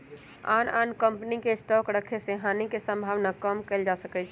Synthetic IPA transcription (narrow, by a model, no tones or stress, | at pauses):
a̰ːnaːnkəmpnikesʈɔkɾəkʰeseɦaːnikesə̃mbʱaːʋnakəmkeld͡ʒasəkɛt͡ʃʰ